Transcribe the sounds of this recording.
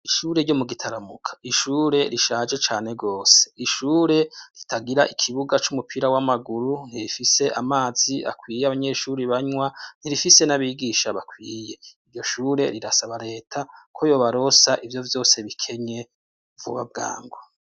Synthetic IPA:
iʃuːɾe̞ɾɟo̞muɡitʰaɾamukʰḁiʃuːɾe̞ɾiʃaːd͡ʒe̞t͡ʃaːne̞ɡoːse̥iʃuːɾe̞ɾitʰaɡiɾaʔikʰiβuɡat͡ʃumupʰiːɾawamaɡuɾun̥iɾifise̞ʔamaːz̥ia̰kwiːjeaβaɲe̞ʃuːɾiβaɲwan̥iɾifise̞naβiːɡiʃaβakwiːje̞iɾɟo̞ʃuːɾe̞̰ɾiɾasaβaɾe̞ːtʰakʰo̞jo̞ːβaɾo̞saʔivjo̞vjo̞ːse̞βikʰe̞ɲe̞ | vṵβa̰b̚ɡa̰ːŋɡo

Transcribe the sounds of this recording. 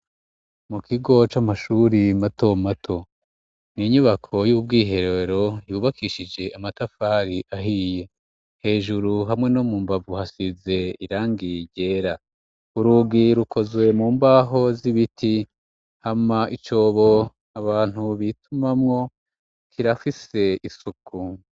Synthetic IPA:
mukʰiɡo̞t͡ʃamaʃuɾimato̞matʰo̞ | niɲuβakʰo̞jub̚ɡiːɦe̞ɾeɾo̞juːβakiʃid͡ʒe̞ʔamatafaːɾiʔaɦije̞ | he̞ːʒuɾuɦamŋe̞nomuːmbavuhasize̞iɾaːŋɡiɟe̞ːɾa | uɾuɡiɾukʰo̞zwe̞muːmbaːɦo̞ziβitʰi | hamaʔit͡ʃo̞ːβo̞ | aβaːn̥huβitʰumamŋo̞ | kʰiɾafise̞isukʰu

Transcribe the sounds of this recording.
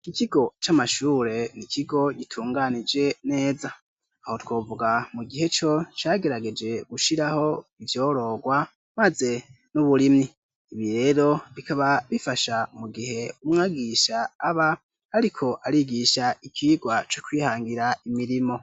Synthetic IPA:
ikiɡo̞t͡ʃamaʃuːɾe̞nikʰiɡo̞ɡitʰuːŋɡanid͡ʒe̞ne̞ːza | aho̞two̞ːvuɡamuɡihe̞t͡ʃo̞t͡ʃaːɡe̞ɾaɡe̞d͡ʒe̞ɡ̥uʃiɾaho̞ivjo̞ːɾo̞ːɡwa | maze̞ | nuβuɾimiː | βiɾe̞ːɾo̞βikaβaβifaʃamuɡihe̞umŋaɡiʃaːβa | haɾikʰo̞ʔaɾiɡiʃaʔikʰiːɡwat͡ʃokwiːhaːŋɡiɾaimiɾimo̞

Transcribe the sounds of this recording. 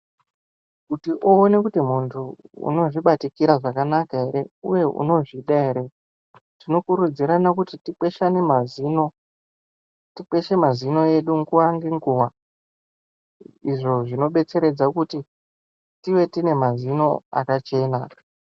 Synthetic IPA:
kutiʔoːne̞kutimuntʰuṵno̞ʐiɓatikiɾaʐakanakae̞ɾe̞ṵje̞ʔṵno̞ʐiɗaeɾe̞ | tino̞kuɾud͡ziɾanakutitik͡pwe̞ʃane̞maziːno̞ | tik͡pe̞ʃe̞mazino̞je̞ɗuŋɡuwaŋɡeŋɡuwa | iʐo̞ʐino̞ɓe̞t͡se̞ɾe̞d͡zakuti | tiʋe̞tine̞mazino̞a̰kat͡ʃe̞na

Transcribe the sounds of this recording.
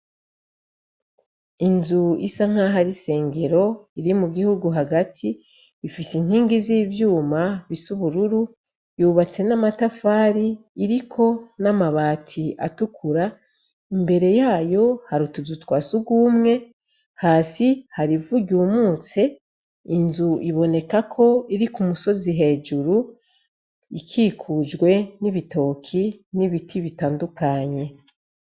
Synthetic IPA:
inzuḭsaŋ̥aɦaɾise̞ːŋɡe̞ɾo̞iɾimuɡihuɡuɦaɡatʰiː | fisiŋ̥hiːŋɡiziːvjuːmaβisuβuɾuɾu | juːβat͡se̞namatafaːɾiːɾikʰo̞namaβaːtʰiʔa̰tukʰuɾa | imbe̞ɾe̞jaːjo̞haɾutuzutwaːsuɡuːmŋe̞ | haːsihaɾivuɟuːmuːt͡se̞ | inzuʔiβo̞ne̞kakʰo̞iɾikumuso̞ziɦe̞ːd͡ʒuɾu | ikʰikʰud͡ʒɡwe̞niβito̞ːkʰiniβitʰiβitaːndukaɲe̞

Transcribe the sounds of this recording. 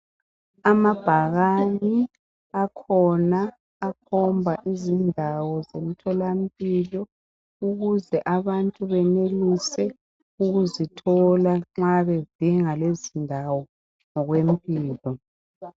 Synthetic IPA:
amab̥ʱaɣani | akʰɔnaː | kʰɔmbʱaʔizindʱawɔzem̩tʰɔlam̩pʼilɔ | uɣuzɛʔaβantʼuβɛnelisɛ | uɣuzitʰɔlaŋ͡ǁaβed̥ʱiŋalezindʱawɔ | ŋɔɣwem̩pʼiːlɔ

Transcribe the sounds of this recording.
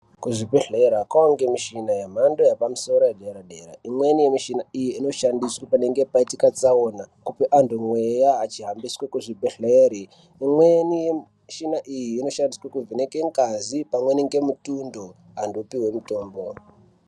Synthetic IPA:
kuʐipeɬeɾakawaŋɡemiʃinajem̤andojapamuso̞ɾojeɗe̞ɾaɗeɾa̰imwe̞nijemiʃinaijiino̞ʃandiswapane̞ŋɡe̞paitikat͡saonakupiʔandomwejaːt͡ʃiɦambiswekuʐipeɬeɾi | imwenije | ʃinaʔijiːno̞ʃandiswakuvinekeŋɡazipamweniŋɡe̞mutundo | ando̞piwe̞muto̞ːmbo̞

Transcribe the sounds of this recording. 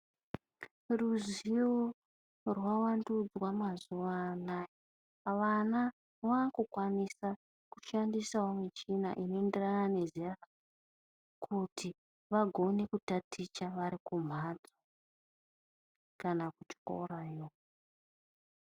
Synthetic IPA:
ruzio | rwawandud͡zwamazuʋanaji | ʋana | ʋaːkukwanisa | kuʃandisaomit͡ʃina̰ʔinoenderanane̞ziara | kʰutʰi | ʋaɡʱo̞ne̞kutatʰit͡ʃaʋaɾikum̤ad͡za | kanakut͡ʃko̰ɾajo

